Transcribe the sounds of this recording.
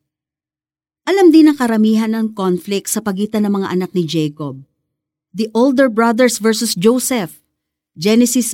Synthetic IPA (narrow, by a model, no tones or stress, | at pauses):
ʔɐlamd̪inɐŋkɐɾɐmiːɦɐnɐŋkonflɪk̚t̪sɐpɐɡiːt̪ɐnɐŋmɐŋa̰ʔɐnak̚nɪd͡ʒɛjkob̚ | d̪iʔold̪ɛɹbɹɐd̪ɛɹsvɛɹsʊsd͡ʒowsɛf | d͡ʒɛnɛsɪs